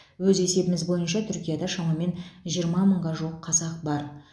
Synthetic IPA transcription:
wɵze̞se̞bɪmɪzbo̞jənʃɑt̪ʰʏɾkʲijad̪ɑʃɑmɑme̞nʒijəɾmɑməɴʁɑʒuwəqʰːɑzɑq̚bɑɾ

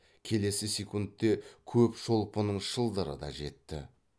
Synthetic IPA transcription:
kʲʰe̞le̞sɪsʲekunt̪ːe̞kʲʰɵpʃo̞lˠpənəɴʃəlˠd̪əɾə̰d̪ɑ̰ʒe̞t̪ːɪ̰

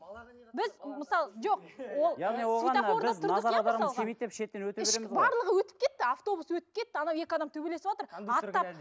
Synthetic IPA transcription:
bɪzməsɑlˠəʒo̞q̚wo̞lˠj̪euj̪ao̞ɾd̪ɑʊɾəɑd̪ɑɾʁɑsʲemejt̪d̪epʃe̞t̪ːenwɵt̪eɪebɑɾlˠəʁəwɵt̪ɪ̥p̚kʲʰe̞t̪ːɪaft̪o̞buswɵt̪ɪ̥p̚kʲʰe̞t̪ːɪɑnɑwe̞kʲɪɑd̪ɑmt̪ʰɵbelesɪpwot̪əɾɑt̪ːɑ

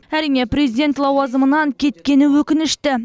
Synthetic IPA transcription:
æɾijne̞prʲe̞zid̪ʲe̞nt̪lˠɑwɑzəmənɑŋkʲʰe̞t̪kʲe̞nɪwɵkʲɪnɪʃt̪ɪ

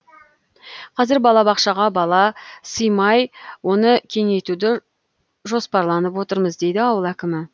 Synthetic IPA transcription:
qʰɑzɪɾbɑlˠɑbɑqʃɑʁɑbɑlˠɑsəjmɑjwo̞nəkʲʰe̞ŋe̞t̪ud̪ɪ | ʒo̞spɑɾlˠɑnəpwo̞t̪əɾməzd̪e̞jd̪ɪɑwəlˠækʲɪmɪ

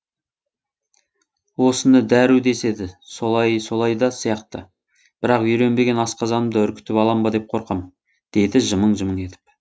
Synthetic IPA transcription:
wo̞sənəd̪æɾuwd̪e̞se̞d̪ɪso̞lˠɑjso̞lˠɑjd̪ɑsijɑqt̪ə | b̥ɪɾɑqʏɾe̞nbe̞ɡʲe̞nɑsqɑzɑnəmd̪əʏɾkʲɪ̥t̪ɪpɑlˠɑmbɑd̪e̞p̚qʰo̞ɾqɑm | d̪̥e̞d̪ɪʒəməɴʒəməɴe̞t̪ɪ̥p

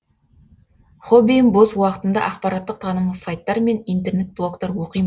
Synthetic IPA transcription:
χobʲijəmboswɑqə̥t̪ənd̪ɑ̰ʔɑq̚pɑɾɑt̪ːəq̚t̪ʰɑnəmlˠəsɑjt̪ːɑɾme̞nijnt̪e̞rne̞t̪̚blˠo̞kt̪ɑɾwo̞qijm

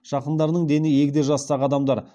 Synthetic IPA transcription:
ʃɑqənd̪ɑɾnəɴd̪e̞nɪje̞kʲɪd̪e̞ʒɑst̪ɑʁəɑd̪ɑmd̪ɑɾ

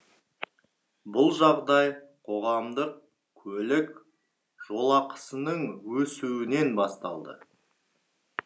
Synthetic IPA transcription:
bʊlˠʒɑʁd̪ɑjqʰo̞ʁɑmd̪əq̚ | kʲʰɵlɪk | ʒ̥o̞lˠɑqə̥sənəɴwɵsuɪne̞nbɑst̪ɑ̰lˠd̪ə̰

